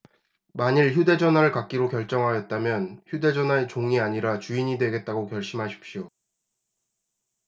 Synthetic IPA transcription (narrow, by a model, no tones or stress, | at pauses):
maɲiɭçude̞d͡ʑʌnɦwaɾɯɭkak̚k͈iɾokjʌɭt͡ɕ͈ʌŋɦajʌt̚t͈amjʌnçude̞d͡ʑʌnɦwaet͡ɕoŋiaɲiɾat͡ɕuiɲidwe̞ɡe̞t̚t͈aɡokjʌɭɕ͈imɦaɕʰi̥p̚ɕ͈io